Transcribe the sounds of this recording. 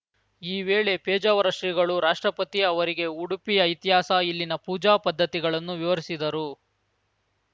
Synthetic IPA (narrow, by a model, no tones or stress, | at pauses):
iːʋeːɭe̞peːd͡ʒɐʋɐɾɐʂɾiɡɐɭuɾaːʂʈɾɐpɐt̪iɐʋɐɾiɡe̞uɽupijɐjt̪iɦaːsɐilːinɐpuːd͡ʒaːpɐd̪ʱːɐt̪iɡɐɭɐnːuʋiʋɐɾisid̪ɐɾu